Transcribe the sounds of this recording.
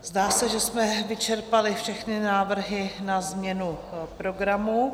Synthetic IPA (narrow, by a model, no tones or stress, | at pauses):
zdaːsɛʒɛsmɛvɪt͡ʃɛɾpalɪfʃɛxnɪnaːvr̩ɦɪnazmɲɛnupɾo̞ɡɾamu